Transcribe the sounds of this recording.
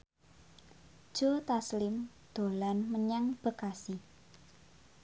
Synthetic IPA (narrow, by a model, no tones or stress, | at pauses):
d̥ʒ̥ot̪aslɪm | d̪̥o̤lanməɲaŋb̥ə̤kasi